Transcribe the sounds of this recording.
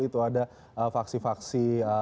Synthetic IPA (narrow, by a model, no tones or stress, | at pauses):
it̪uada | əfaksifaksiə